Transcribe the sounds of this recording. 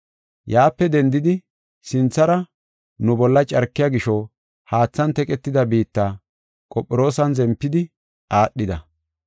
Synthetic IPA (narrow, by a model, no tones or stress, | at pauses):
jaːpːɛd̪ɛnd̪ɪd̪ɪ | sɪnt͡sːɐɾɐ | nʊbɔlːɐt͡ʃʼɐɾkːɪjaɡɪʃɔ | haːt͡sːɐnt̪ɛkʼɛt̪ːɪd̪ɐbiːt̪ːaː | kʼɔpʼːɪɾo̞ːsɐnzɛmpːɪd̪ɪ | ʔaːɗːɪd̪ɐ̰